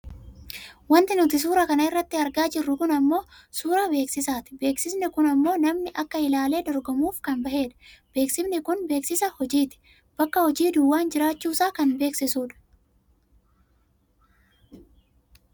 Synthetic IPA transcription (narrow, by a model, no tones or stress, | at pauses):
wɐnt̪ɪnʊt̪ɪs̬uːɾɐkɐnɐɪrːɐt̪ːɪɐɾɡaːd͡ʒɪrːʊkʊnɐmːo̞ːsuːɾɐbe̞ːksɪsaːt̪ɪ̥be̞ːksɪsnɪkʊnɐmːo̞ːnɐmnɪʔɐkːɐɪlaːle̞ːd̪ɔɾɡɔmuːfkɐnbɐhe̞ːᶑɐ̥b̥e̞ːksɪbnɪkʊnbe̞ːksɪsɐhɔd͡ʒiːt̪ɪ̥ | b̥ɐkːɐhɔd͡ʒiːd̪ʊwːaːnd͡ʒɪɾaːt͡ʃːuːsaːkɐnbe̞ːksɪsuːᶑɐ̥